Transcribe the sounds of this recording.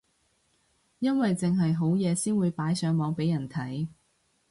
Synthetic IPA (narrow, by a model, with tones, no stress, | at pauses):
jɐ˥nwɐ˨jt͡sɪ˨ŋɦɐ˨jɦo˨˥wjɛː˨˧siː˥nwuː˨˧jpaː˨˥jsœː˨˧ŋmɔː˨˧ŋpe˨˥jɐ˨˩nt̪ʰɐ˨˥j